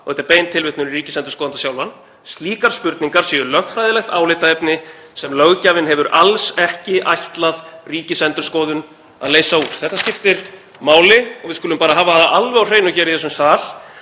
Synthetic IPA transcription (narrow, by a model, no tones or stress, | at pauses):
ɔɛt̪aɾpejnt̪ʰɪlvɪht̪nʏɾriːcɪsɛnt̪ɾʏskɔðant̪asjawlvan | st̪liːkaɾ̥spʏɾt̪niŋkaɾ̥sɛʏlœxt̪fɾajðɪlɛxt̪aːwlɪt̪aɛpnɪ | sɛmlœɣcaːvɪnɦɛvʏɾalsɛhcɪʔa̰jht̪laðriːcɪsɛnt̪ɾʏ̥ɾskɔːðʏn | a̰ðleːjsauːɾ̥θɛht̪ːascɪft̪ɪɾ | maːwlɪɔɣvɪðskʏlʏmpaːɾaɦaːvaalvɛawr̥eːjnʏçɛːɾiθɛs̬ːʏmstaːl̥